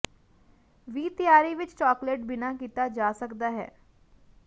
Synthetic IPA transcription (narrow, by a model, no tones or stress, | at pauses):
ʋiːt̪ɪjaːɾiːʋɪt͡ʃt͡ʃɔːkleːʈ̚bɪnaːkiːt̪aːd͡ʒaːsəkd̪aːɦɛ̰ː